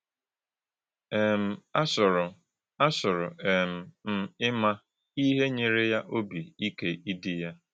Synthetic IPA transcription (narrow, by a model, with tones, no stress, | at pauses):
e˨m̩˨a˦sʊ˨ɾʊ˨ | a˦sʊ˨ɾʊ˨e˨m̩˨m̩˦ɪ˦ma˦ | i˦ɦe˦ɲe˨ɾe˦ja˦ʔo˦bi˨i˦ke˦i˦dɪ˦ja˦